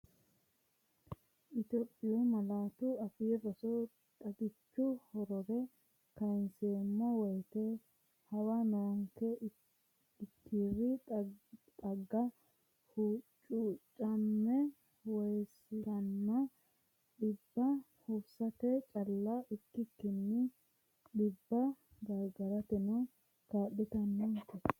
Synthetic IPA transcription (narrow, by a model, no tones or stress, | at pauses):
ʔɪt̪ɔpʼːɪjɔmɐlaːt̪ʊɐfɪjɛbɐsɔ | t̪ʼɐɡɪt͡ʃːʊhɔɾɔɾɛ | kɐjnsemːɐwɔjt̪e | hɐwaːnɐwŋkɛ | ɪt̪ʰːiːrːɪ | t̪ʼɐɡːɐ | hut͡ʃʼuːt͡ʃʼːɐnːɛ | wɔjsɪlɐnːɐ | ɗɪbːɐ | hubsɐt̪ɛt͡ʃʼɐlːɐʔɪkːɪkːɪnːɪ | ɗɪbːɐɡ̪ɐɾɡɐɾɐt̪ɛnʊ | kaːɗɪt̪ɐnːunt̪ɛ